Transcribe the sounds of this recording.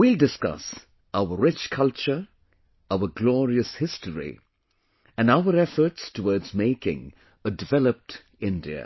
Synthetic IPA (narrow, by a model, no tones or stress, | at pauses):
wildɪskʌ̰s | ʔaʊəɹɪt͡ʃkʰʌlt͡ʃə | aəɡlɔːɾiəshɪstəɹḭ | ɨ̃naʊəɾɛfə˞ʈstʰəwɔːdzmeɪkɪ̰̃ŋ | ədɨvɛləp̚t | ɪ̃ndiə̰